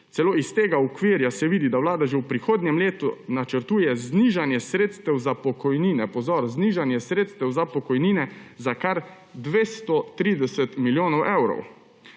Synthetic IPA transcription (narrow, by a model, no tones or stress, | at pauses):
t̪sɛloːist̪eːɡaukʋiːɾjasɛʋiːd̪id̪awlaːd̪aʒɛwpɾixoːd̪nʲɛmleːt̪unat͡ʃəɾt̪uːjɛzniʒanjɛsɾeːt̪st̪ɛwzapɔkɔjniːnɛpɔzɔːɾzniːʒanjɛsɾeːt̪st̪ɛwzapɔkɔjniːnɛzakaɾ | d̪ʋeːst̪ɔt̪ɾiːd̪ɛsɛt̪miljoːnɔwʔɛwɾɔ̰w